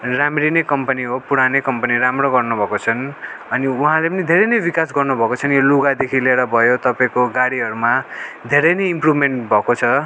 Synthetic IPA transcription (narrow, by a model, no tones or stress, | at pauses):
ramɾinekʌmpʌniɦopuɽanekʌmpʌniɾamroɡʌrnubʱʌkot͡sʰʌnʌniuɦãlepʌnid̪ʱeɾenʌjbikas̬ɡʌrnubʱʌkot͡sʰʌnjoluɡad̪ekʰileɾʌbʱʌjot̪ʌpaĩkoɡaɽiɦʌɾumad̪ʱeɾʌnʌimprubʱmeɳʈbʱʌkot͡sʰʌ